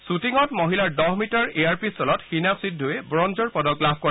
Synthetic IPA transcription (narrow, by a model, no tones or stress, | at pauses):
sutiŋɔtmɔɦilaɹdɔɦmitɔɹeaɹpisɔlɔtxinasidʱːuɛbɹɔnzɔɹpɔdɔklabʱkɔɹ